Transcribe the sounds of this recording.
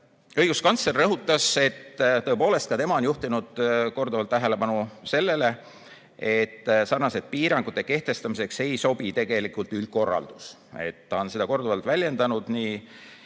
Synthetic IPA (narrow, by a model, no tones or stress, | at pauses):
ɤ̞jɡ̥uskɑnsle̞rːɤɦut̪ːˑɑse̞t̪ːt̪ɤ̞epo̞ːle̞st̪kɑt̪e̞mɑo̞njuht̪inud̪̥ko̞rd̪uvɑlt̪ːæɦe̞le̞pɑnuse̞lːe̞le̞ | e̞t̪ːsɑrnɑse̞d̪̚piːɾɑŋɡ̥ut̪ːˑeke̞ht̪e̞st̪ɑmise̞kse̞jso̞bit̪e̞ɡ̥e̞likult̪yl̚ko̞rːɑ̰ld̪̥us | e̞̰t̪ːɑonsed̪ɑko̞rd̪uvɑlt̪vælʲje̞nd̪ɑnud̪̥niː